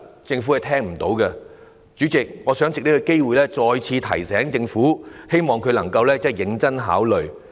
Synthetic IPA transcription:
t͡sɪ˧ŋfu˨˥ɐ˨jt̪ʰɛː˥ŋm̩˨˩t̪o˨˧˥wkɛ˧ | t͡ʃyː˨˥t͡sɪ˨k̚ŋɔː˨˧sœː˨˥ŋt͡sɪ˨k̚ni˥kɔ˧ke˥jwuː˨˩jlɛː˥t͡sɔː˧jt͡sʰiː˧t̪ʰɐ̰˨˩jsɛː˨˥ŋt͡sɪ˧ŋfuː˨˥he˥jmɔː˨ŋkʰɵ˨˧ɥlɐ˨˩ŋkɐ˧wlɛː˥t͡sɛː˥˩jɪ˨˥ŋt͡sɐ˥nɦa̰ː˨˥wlɵ˨ɥ

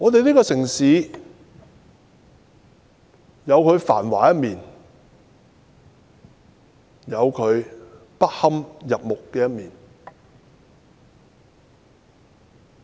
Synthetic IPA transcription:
ŋɔː˨˧t̪e˨jliː˥kɔː˧sɪ˨˩ŋsiː˨˦ | jɐ˨˧wkʰɵ˨˧ɥfa̰ː˨˩nwaː˨˩jɐ˥t̚miː˨n | jɐ˨˧wkʰɵ˨˧ɥpɐ˥t̚hɐ˥mjɐ˨p̚mʊ˨kːɛː˧jɐ˥t̚miː˨˩n

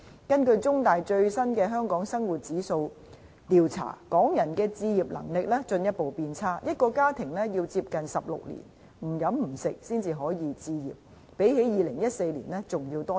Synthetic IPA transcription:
kɐ˥nkɵ˧ɥt͡sʊ˥ŋt̪aː˨jt͡ʃɵ˧ɥsɐ˥nkɛː˧ɦœː˥ŋkɔː˨˥ŋsɐ˥ŋwuː˨˩t̚t͡siː˨˥so˧w | t̪iː˨wt͡sʰa̰ː˨˩kɔː˨˥ŋjɐ˨˩nkɛː˧t͡siː˧jiː˨˩p̚lɐ̰˨˩ŋlɪ˨k̚lɛː˥t͡ʃɵ˧njɐ˥t̚po˨wpiː˧nt͡sʰaː˥jɐ˥t̚kɔː˧kaː˥t̪ʰɪ˨˩ŋlɛː˥ji˧wt͡siː˧p̚kɐ˨nsɐ˨p̚lʊ̰˨k̚lḭ˨˩n | m̩˨˩jɐ˨˥mm̩˨˩sɪ˨k̚siː˥nt͡siː˧ɦɔː˨˥jiː˨˧t͡siː˧jḭː˨˩p̚ː | e˨˥jɦe˨˥jiː˨lɪ˨˩ŋjɐ˥t̚se˧jlḭː˨˩nlɛː˥t͡sʊ˨ŋjiː˧wt̪ɔː˥

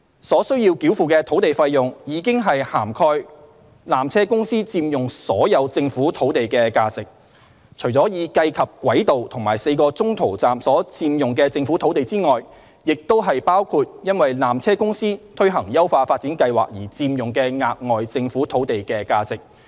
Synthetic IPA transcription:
sɔː˨˥sɵ˥ɥji˧wki˨˥wfuː˨kɛː˧t̪ʰo˨˥wt̪e˨˩jfɐ˧jːʊ˨ŋjiː˨˧˥kɪ˥ŋɦɐ˨jhaː˨˩mkʰɔː˧j | laː˨mt͡sʰɛː˥kʊ˥ŋsiː˥t͡siː˧mjʊ˨ŋsɔ̰ː˨˥jɐ˨˧wt͡sɪ˧ŋfuː˨˥t̪ʰo˨˥wt̪e˨jkɛː˧kaː˧t͡sɪ˨k̚ | t͡ʃʰɵ˨˩t͡sɔː˨˥jiː˨˧kɐ˧jkʰɐ˨p̚kʷwɐ˨˥jt̪o˨wt̪ʰʊ˨˩ŋmaː˨˩jse˧jkɔː˧t͡sʊ˥ŋt̪ʰo˨˩wt͡saː˨msɔː˨˥t͡siː˧mjʊ˨˩ŋkɛː˧t͡sɪ˧ŋfu˨˥t̪ʰo˨˥wt̪e˨jt͡siː˥ŋɔː˨j | jɪ˨k̚t̪o˥wɦɐ˨jpaː˥wkʰuː˧t̚jɐ˥nwɐ˨jlaː˨mt͡sʰɛː˥kʊ˥ŋsiː˥t̪ʰɵ˥ɥɦɐ˨˩ŋjɐ˥wfaː˧faː˧t̚t͡siː˨˥nkɐ˧jwa̰ː˨˩k̚jiː˨˩t͡siː˧mjʊ˨˩ŋkɛː˧ŋaː˨˧t̚ŋɔː˨jt͡sɪ˧ŋfuː˨˥t̪ʰo˨˥wt̪e˨jkɛː˧kaː˧t͡sɪ˨k̚

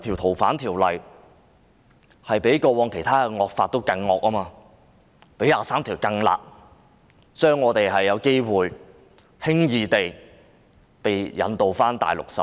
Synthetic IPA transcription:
t̪ʰiː˨˩wt̪ʰo˨˩wfaː˨˥nt̪ʰiː˨˩wlɐ˨j | hɐ˨jpe˨˥jkɔː˧wɔː˨˧ŋkʰe˨˩jt̪ʰaː˥kɛ˧ŋɔː˧k̚faː˧t̚t̪o˥wkɐ˧ŋːɔː˧k̚ɐː˥maː˧ | pe˨˥jaː˨˧saː˥mt̪ʰiː˨˩wkɐ˧ŋla̰ː˨k̚ | t͡ʃœː˥ŋːɔː˨˧t̪e˨jɦɐ˨jːɐ˨˧wke˥jwuː˨j | hɪ˥ŋjiː˨˧t̪e˨j | pe˨jjɐ̰˨˥nt̪o˨wfaː˥nt̪a̰ː˨jlʊ̰˨k̚sɐ̰˨

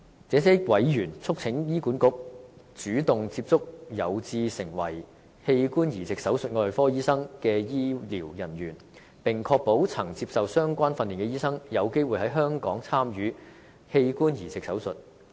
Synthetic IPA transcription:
t͡sɛː˨˥sɛː˥wɐ˨˥jjyː˨˩nt͡sʰʊ˥k̚t͡sʰɪ˨˥ŋjiː˥kuː˨˥nkʊ˥k̚t͡ʃyː˨˥t̪ʊ˨ŋt͡siː˧p̚t͡sʊ˥k̚jɐ˨˧wt͡siː˧sɪ˨˩ŋwɐ̰˨˩j | he˧jkuː˥njiː˨˩t͡sɪ˨k̚sɐ˨˥wsɵ˨t̚ŋɔː˧jfɔː˥jiː˥sɐ˥ŋkɛː˧jiː˥liː˨˩wjɐ˨˩njyː˨˩n | pɪ˨˩ŋkʰɔː˧k̚po˨˥wt͡sʰɐ˨˩ŋt͡si˧p̚sɐ˨wsœː˥ŋkʷaː˥nfɐ˧nliː˨˩nkɛ˧jiː˥sɐ˥ŋjɐ˨˧wke˥jwuː˨jhɐ˨˥jɦœː˥ŋkɔː˨˥ŋt͡sʰaː˥mjyː˨˥ | he˧jkuː˥njiː˨˩t͡sɪ˨k̚sɐ˨˥wsɵ˨t̚

